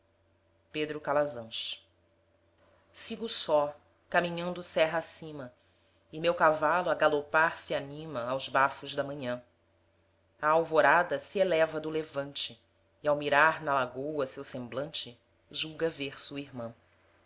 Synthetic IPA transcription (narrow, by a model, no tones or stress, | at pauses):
ped̪ɾʊkalazɐ̃ʃ | siɡʊsɔ | kamĩɲɐ̃nd̪ʊsɛɦɐasĩmɐ | ɪmewkavalʊɐɡalopaɾsianĩmɐawzbafʊʒd̪ɐmɐ̃ɲɐ̃ | ɐawvoɾad̪ɐsielɛvɐd̪ʊlevɐ̃nt͡ʃɪː | awmiɾaɾnɐlaɡowɐsewsẽmblɐ̃nt͡ʃɪ | ʒuɡɐveɾsuɐiɾmɐ̃